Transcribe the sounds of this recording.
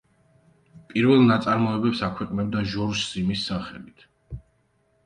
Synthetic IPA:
pʼiɾvɛlˠnat̪sʼaɾmɔɛbɛpsakʰwɛqʼnɛb̚d̪aʒɔɾʃzimisːaχɛlit̪ʰ

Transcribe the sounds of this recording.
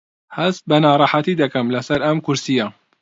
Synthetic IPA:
hɐzt̪̚bɐnɑːɾˤɑːħat̪id̪ɐkɐmlɐsɐɾʔɐmkʊɾsija

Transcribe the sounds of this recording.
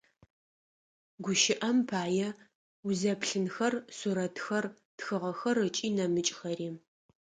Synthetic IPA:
ɡʷʊʃɪʔɐmpʰaːjɛ | ʊzɐpɬɨnxɐrsuɾɐtʰxɐr | txɨʁɐxɐrɨt͡ʃʼiːnɐmɨt͡ʃʼxɐriːm

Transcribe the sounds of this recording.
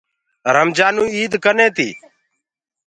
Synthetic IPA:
ɾəmd͡ʒaːnũːiːd̪kənẽːt̪ḭː

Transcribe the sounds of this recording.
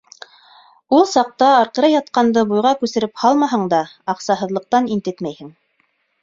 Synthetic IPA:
ulˠsɑq̚t̪ɑːɾqɤ̆ɾɑjɑt̪qɑnd̪ɤbujʁɑkʉsɘ̆ɾɘphɑlˠmɑɦɤɴd̪ɑː | qsɑɦɤ̆ðlˠɤ̆q̚t̪ɑnint̪ɘt̪mæjhɘŋ

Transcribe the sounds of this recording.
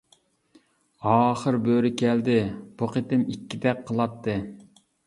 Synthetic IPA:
ɑːχəɾbøɾɪkʲʰɛld̪ɪb̥uqʰet̪ɪmikʲːid̪ɛk̚qʰəlˠɑt̪ːɨ

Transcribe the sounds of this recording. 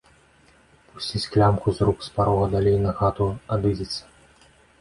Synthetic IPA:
pu̥sʲt͡sʲit͡sʲklʲamkuzɾukspaɾɔɣɐd̪alʲejnɐɣat̪uad̪ɨzʲit̪sʲɐ̥

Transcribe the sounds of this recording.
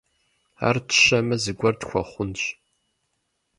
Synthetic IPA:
a̰ːrtʰɨ̥ɕɐmɐzɨɡʷɐrtxʷɔ̰χʷʊnɕ

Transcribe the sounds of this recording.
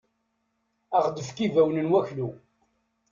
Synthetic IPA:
aʁd̪əfkivæwnənwæçlu

